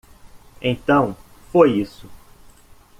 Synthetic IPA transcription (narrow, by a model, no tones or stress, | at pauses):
ẽnt̪ɐ̃w̃fojisʊ